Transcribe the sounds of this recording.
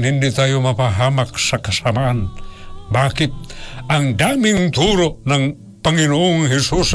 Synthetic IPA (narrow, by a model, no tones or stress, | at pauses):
nhindit̪ajumapaɦamaksakasamaːnbakip̪̚aŋdamiŋt̪uɾoʔnaŋ | paŋinuːŋhisus